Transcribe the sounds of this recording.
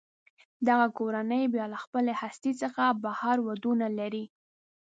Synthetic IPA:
d̪aɣakoɾanəjbjɑlaxpəlehast̪it͡səxabahɑɾwad̪unalaɾi

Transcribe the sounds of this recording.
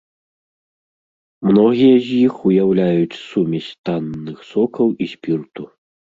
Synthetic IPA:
mnɔɣʲijɐzʲjixujawlʲajut͡sʲsumʲɛsʲt̪anːɨxsɔkɐwʔisʲpʲirt̪u

